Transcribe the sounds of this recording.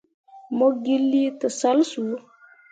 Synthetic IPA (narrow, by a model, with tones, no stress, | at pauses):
mo˦ɡi˦lːi˦t̪ə˨sa˦lsu˨